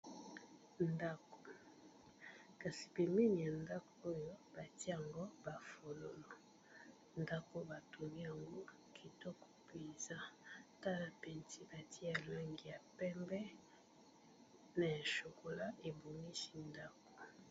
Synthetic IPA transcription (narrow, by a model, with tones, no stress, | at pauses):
nda˦ko̥˨ | ka˨si̥˨pe˨mi˦ni˨a˨nda˦ko˨o˦jo˦ba˨ti˦ja˨ŋɡo˦ba˨fo˨lo˦lo˨ | nda˦ko˦ba˨to˨ŋi˦ja˨ŋɡo˦ | kʰi˨tɔ˦kɔ̥˨pe˨za˦ta˦na˨pɛ˨nti˦ba˨ti˦ja˨lwɛ˦ŋɡi˨ja˨pɛ˦mbɛ˦ | na˨ja˨ʃo˨ko˨la˦e˨bo˨ŋi˦si̥˦nda˦ko̥˨